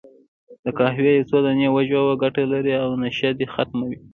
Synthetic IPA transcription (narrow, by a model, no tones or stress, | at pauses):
d̪əkɑɦwejat͡sod̪anewaʒwawaɡaʈalaɾiawnaʃjad̪exat̪mawi